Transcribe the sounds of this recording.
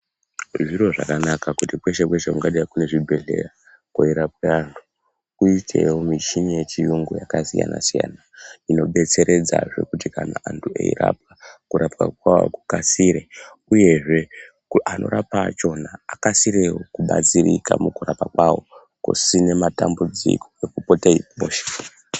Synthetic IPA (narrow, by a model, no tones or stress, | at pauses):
ʐiɾo̞ʐa̰kanakakutipwe̞ʃe̞kweʃeuŋɡaɗijakune̞ʐibʱe̞ɮe̞̰ra | koiɾapweantʰu̥ | kuitʰe̞womit͡ʃiɲijet͡ʃijuŋɡojakasija̰na̰sija̰ːnaino̞ɓe̞t͡se̞ɾʔe̞d͡za̰ʐe̞̰kutikanaʔantʰuḛḭra̰p̚akuɾapkakwawa̰ku̥kasiɾe | uje̞ʐe̞ | uanʔo̞̰ɾapat͡ʃo̞naːkasiɾeokuɓat͡sirikamukurapakwawo̞̰ | kṵsine̞matambud͡zḭko̥ekupotaimoːʃe̥